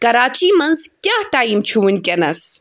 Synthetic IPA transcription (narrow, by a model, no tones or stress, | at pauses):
kɐɾaːt͡ʃiːmɐnzkjaːʈaːimt͡ʃʰuʋunʲkʲɐnɐs